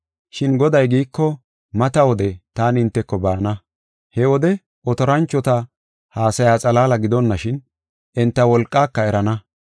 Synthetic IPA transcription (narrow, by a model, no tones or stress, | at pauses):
ʃɪnɡɔd̪ɐjɡiːkːɔ | mɐt̪ɐwɔd̪ɛt̪aːnɪnt̪ːɛkːɔbaːnɐ | hɛwɔd̪ɛ | ʔɔt̪ɔɾɐnt͡ʃːɔt̪ɐ | haːsɐjaːt͡sʼɐlaːlɐɡɪd̪ɔnːɐʃɪn | ɪnt̪ːɐwɔlkʼːaːkːɐɛɾɐnɐ